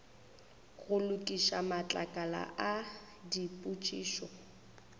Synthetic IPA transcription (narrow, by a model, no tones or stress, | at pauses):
ɣʊlʊkʼiʃamat͡ɬʼakʼala̰ʔa | dipʼut͡ʃʼiːʃɔ